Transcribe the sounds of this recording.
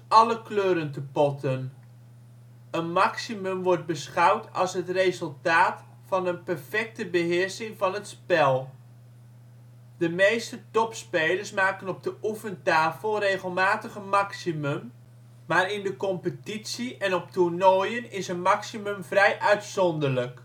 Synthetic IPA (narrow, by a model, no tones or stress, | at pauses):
ɑləkløːɾəntəpɔtʰən | ənmaksimɵmʋɔrt̚bəsχawtɑ̰lˠsɦətrezəlˠtaːt | fɑnənpɛrfɛk̚təbəɦɪəɹsɪŋvɑnətspɛlˠ | dəmejstətɔpspeːlərsmaːkənɔp̚dəʔufəntaːfəlˠreːɣəlˠmaːtəɣəmaksimɵm | maːɾɪndəkɔmpətitsiʔɛnɔp̚turnɔjənɪsənmaksimɵmvrɛjʔœɥtsɔndərlək